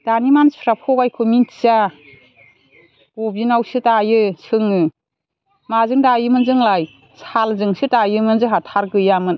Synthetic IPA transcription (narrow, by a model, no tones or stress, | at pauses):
d̥animansʰɾapʰɔɡajkʰomintʰsa | bobinawsɯtajɯsʰɯŋɯ | mazɯŋdajɯmɯnzɯŋlaj | salzɯŋsɯtajɯmɯnzɯɦatʰaɾɡɯjamɯn